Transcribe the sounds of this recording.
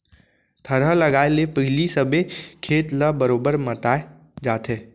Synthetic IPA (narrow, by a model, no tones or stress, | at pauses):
t̪ʰəɾɦəlɐɡaːelepəɦɪlisəbʱekʰeːt̪ləbəɾoːbəɾmɐt̪aːe | d͡ʒaːt̪eː